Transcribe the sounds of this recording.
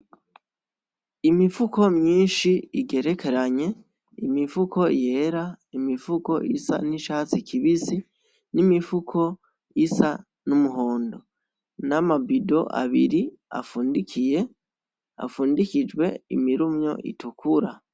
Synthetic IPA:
imifukʰo̞mɲiːnʃiiɡe̞ɾe̞kʰe̞ɾaɲe̞ | imifuko̞je̞ɾaimifuko̞̰ʔḭsa̰niʃaːt͡sikʰiβisi | nimifukʰo̞ | isa | numuɦo̞ːndo | namabido̞ʔa̰βḭɾi | a̰fuːndikʰije̞ | a̰fuːndikid͡ʒɡwe̞imiɾumɲo̞̰ʔḭtukʰuɾa

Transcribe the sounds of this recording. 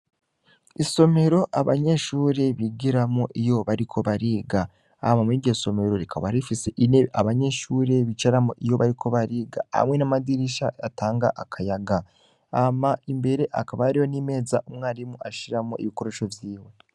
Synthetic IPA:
iso̞me̞ɾo̞ʔaβa̰ɲe̞ʃuːɾe̞βiɡiɾamoʔijo̞βaɾikʰo̞βaɾiːɡa | a̰mamiːɟeso̞me̞ɾo̞ɾikʰaβaɾifise̞ʔineʔaβaɲe̞ʃuːɾe̞βit͡ʃaɾamoʔijo̞βaɾikʰo̞βaɾiːɡa̰a̰mŋwe̞namadiɾiʃaataːŋɡa̰ʔakʰajaɡa | amaimbe̞ɾe̞ʔakaβaaɾijo̞nime̞ːzaʔumŋaːɾimuʔaʃiɾamoʔḭβiko̞ɾeʃovjiːwe̞

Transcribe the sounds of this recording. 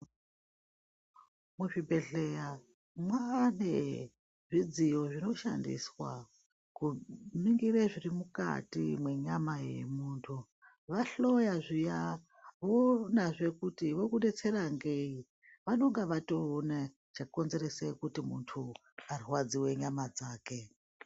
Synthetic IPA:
muʐibʱe̞ɮeja | mwane | ʐid͡zijo̞ʐino̞ʃa̰ndḭswa̰ | kumiŋɡireʐirimuka̰tḭmwe̞ɲamajḛmuːntʰu | ʋaɬojaʐija | ʋonaʐekutiʋo̞kunet͡seraŋɡei | ʋano̞ŋɡaʋatoːne | t͡ʃakonzeresekutimuntʰu | ariwad͡ziwe̞ɲamad͡zaːke

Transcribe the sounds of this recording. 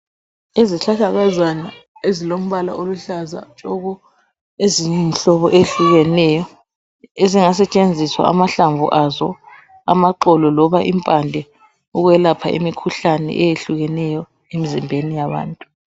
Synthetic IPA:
eziɬaɬaɣazanaezilom̩βala̰oluɬaza̰t͡ʃʼɔɣɔ | eziɲɛnɬɔβɔʔejɬuɣɛnɛjɔ | eziŋas̬ɛt͡ʃʼend͡zʱiswa̰amaɬaɱvʱṵʔazɔ̰ | amaǃɔlɔlɔβaʔimpʼandʱɛ | uɣwɛlapʰa̰ʔḛmikʰuɬanɛ̰ʔɛjeɬuɣɛnɛjɔ | emizimbʱenijaβa̰ːntʼu

